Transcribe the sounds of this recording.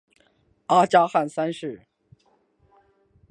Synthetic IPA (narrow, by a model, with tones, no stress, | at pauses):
a˥t͡ɕja˥xa˥˨nsa˥nʂɻ̩˥˩